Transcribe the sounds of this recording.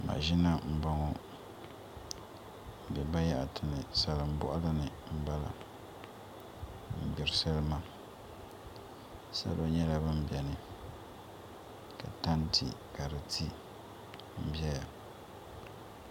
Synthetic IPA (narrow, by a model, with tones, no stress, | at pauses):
ma̰˨ʒi˦na˦m̩˨bɔ˦ŋo˦ | m̩˨bɛ˨ba˦ja˦ʔa˨tʰɨ˨nɨ˨sa˨lɨ˨m̩˦bɔ̰˦ʔa˦lɨ˦nɨ˨m̩˦ba˦la̰˨ | m̩˨bɪ˨ɾsa˦lɨ˦ma˦ | sa̰˦lo˦ɲɛ˦la˨bɨ˦m̩˦bjɛ˨nɨ˨ | ka̰˨ta˦n˦tʰi˨ka˨ɾɨ˨tʰi˦ | m̩˦bɛ˦ja˨